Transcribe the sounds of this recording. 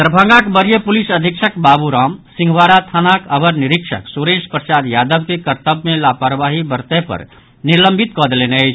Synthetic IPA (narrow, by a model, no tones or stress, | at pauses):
t̪ɾəbʱə̃ŋɡakbəɾjəpulisəd̪ʱikʃʰəkbabuɾamsĩŋɡʱʋaɾat̪ʰanakəbəɾniɾikʃə̰ksuɾespɾəsad̪jad̪əbkekəɾt̪əbmẽlapaɾʋaɦibəɾt̪ɛpə̰ɾ | niɾləmbʱit̪kɔd̪leneəɪt͡ʃʰ